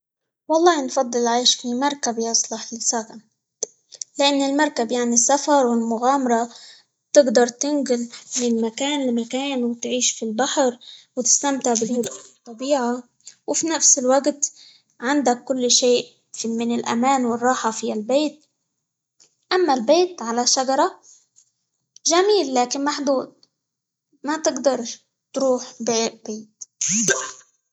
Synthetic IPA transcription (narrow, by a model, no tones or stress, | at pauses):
wɑlˤːɑːnfɑd̪ˤːɨlʕeːʃfimɑɾˤkabiɑsˤlɑħlɪsakan | lɪʔanːɪlmɑɾˤkabjaʕnisːafɑɾˤwɪlmʊɣaːmɑɾˤɑ | t̪ɪɡd̪ɑɾˤt̪ɪnɡɪlmɪnɪlmakaːnlɪmakaːnwɪt̪ʕiːʃfilbaħɾwt̪ɪ̥st̪amt̪ɪʕbɪlhʊd̪t̪ˤːɑbiːʕa | wfinafsɪlwaɡt̪ | ʕand̪akːʊlːʃeːʔ | fimɪnɪlʔa̰maːnwɪrˤːɑːħɑfialbeːt̪̚ | ʔamːalbeːt̪ʕalaʃːad͡ʒɑɾˤɑ | ʒamiːlːaːkɪnmaħd̪uːd̪̚ | mat̪ɪɡd̪ɑɾˤ | t̪ɾuːħbeːʔbeːt̪